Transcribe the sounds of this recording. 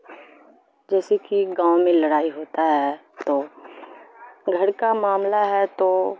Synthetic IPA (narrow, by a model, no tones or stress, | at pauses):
d͡ʒɛːsekiɡãːõmẽlɐɽaːiɦoːt̪aɦɛ | t̪oː | ɡʱɐɽkamaːmlaɦɛt̪o